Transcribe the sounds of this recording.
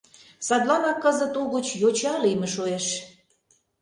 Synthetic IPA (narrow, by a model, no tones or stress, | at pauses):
sɑd̪lɑnɑkːəzə̆t̪oɣə̆t͡ɕjot͡ɕɑlijmə̆ʃoeʃ